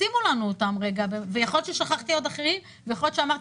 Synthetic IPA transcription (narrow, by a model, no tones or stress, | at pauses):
imulanuot̪amʁe̞ɡabevejaχolott͡ʃeʃaχaχt̪iod̪aχeʁi | vejao̞lott͡ʃʃeamaʁt̪